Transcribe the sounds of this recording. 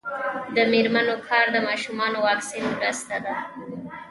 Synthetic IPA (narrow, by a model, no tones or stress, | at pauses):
d̪əmeɾmanokʰɑɾd̪əmɑʃumɑnowɑksinmɾəst̪ad̪a